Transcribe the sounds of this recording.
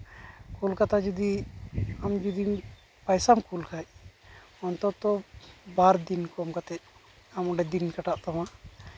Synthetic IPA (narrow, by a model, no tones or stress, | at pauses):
kulkat̪ad͡ʒud̪i | amd͡ʒud̪i | pajsamkulkʰaj | ɔnt̪ɔt̪ɔbaɾd̪inkɔamkat̪ɛc̚ | amɔɖɛd̪inkaʈaʔt̪ama